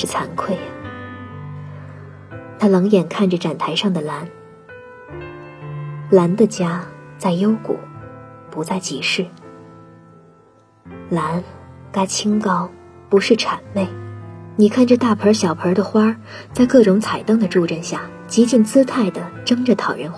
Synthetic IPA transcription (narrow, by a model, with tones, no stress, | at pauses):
ʂɻ̩˥˩t͡sʰa˧˥nkʰwe˥˩ɪ | t̪ʰa˥lɑ˧˥ŋjɛ˨˩nkʰa˥˩nʈ͡ʂə˩ʈ͡ʂa˨˩nt̪ʰa˧˥ɪʂɑ˥˩ŋd̪ə˩la˧˥n | la˧˥nd̪ə˧t͡ɕja˥t͡sa˥˩ɪjo˥ʊkṵ˨˩˦pu˧˥t͡sa˥˩ɪt͡ɕi˧˥ʂɻ̩˥˩ | la˧˥nka˥˩t͡ɕʰi˥ŋkɑ˥˩ʊ | pu˧˥ʂɻ̩˥˩ʈ͡ʂʰa˨˩nme˥˩ɪni˨˩kʰa˥˩nʈ͡ʂə˩t̪a˥˩pʰə˞˧˥ɕjɑ˨˩ʊpʰə˞˧˥d̪ə˧˨xwa˥t͡sa˥˧ɪkɤ˥˩ʈ͡ʂʊ˧˥ŋt͡sʰa˨˩ɪt̪ɤ˥ŋd̪ə˨ʈ͡ʂu˥˧ʈ͡ʂə˥˧nɕja˥˩ | t͡ɕi˧˥t͡ɕi˥˩nt͡sɹ̩˥t̪ʰa˥˩ɪd̪ə˩ʈ͡ʂɤ˥ŋʈ͡ʂə˨t̪ʰɑ˨˩ʊɥə˧˥nx